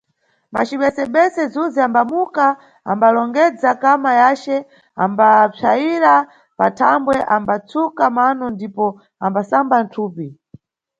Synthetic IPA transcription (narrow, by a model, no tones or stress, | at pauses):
ma̰t͡ʃiɓɛsɛɓɛsɛd͡zuziambamuka | a̰mbalɔŋɡɛd͡zakamajat͡ʃɛ | ambap͡ʂʰaiɾa | pa̰tʰambwɛʔambat͡sukamanɔndipɔ | ambasamban̩tʰuːpi